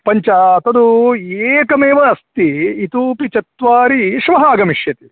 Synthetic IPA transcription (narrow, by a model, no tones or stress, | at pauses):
pɐɲt͡ʃaɐt̪ɐd̪ueːkɐmeːʋɐɐst̪iit̪uːpit͡ʃɐt̪ʋaːɾiʃʋɐɦaːɡɐmiʂjɐt̪i̥